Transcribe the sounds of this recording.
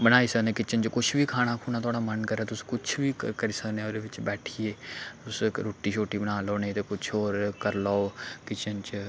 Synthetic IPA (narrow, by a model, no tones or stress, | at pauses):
bəñaːiːsənẽːkɪt͡ʃənt͡ʃkʊt͡ʃʰbʱiːkʰaːɽ̃akʰuːnaːt̪ʰaːɽaːmənkəɾeːt̪ʊskʊt͡ʃʰbʱikəɾiːsəkneːoɾeʋɪt͡ʃbɛːʈʰieːʊsɾoːʈiːʃʰoːʈibənaːloːnet̪ekʊt͡ʃʰoːɾkəɾlaːokɪt͡ʃənt͡ʃ